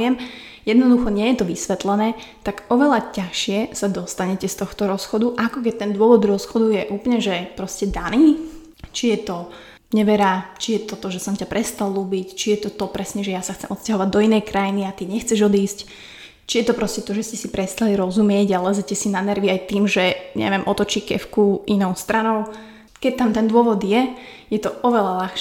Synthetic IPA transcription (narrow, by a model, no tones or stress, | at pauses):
ɪɛm | jɛd̪nɔd̪uxɔɲɪɛjɛt̪ɔʋisʋɛt̪lɛnɛːt̪aɡɔʋɛlacaxʃɪɛsad̪ɔst̪aɲɛcɛst̪ɔxt̪ɔɾɔsxɔd̪uʔakɔk̬ɛc̚t̪ɛnd̪ʊɔʋɔd̪ɾɔsxɔd̪ujɛʔuːplɲɛʒɛpɾɔscɛd̪aniː | t͡ʃijɛt̪ɔ | ɲɛʋɛɾat͡ʃijɛt̪ɔt̪ɔʒɛsɔmcapɾʔɛst̪alˠluːbict͡ʃijɛt̪ɔt̪ɔpɾɛsɲɛʒɛjasaxt͡sɛmʔɔt̪scaɦɔʋaɟd̪ɔinɛjkɾajiniat̪iɲɛxt͡sɛʒɔd̪iːsc | t͡ʃijɛt̪ɔpɾɔscɛt̪ɔʒɛscɛsipɾɛst̪aliɾɔzumɪɛɟalɛzɛcɛsinanɛɾʋiajt̪iːmʒɛɲɛ̰ʋɪɛmʔɔt̪ɔt͡ʃiːkɛ̰fkuʔinɔʊst̪ɾanɔʊ | kɛc̚t̪amt̪ɛnd̪ʊɔʋɔd̪jɛ | jɛt̪ɔʔɔʋɛlalaxʃ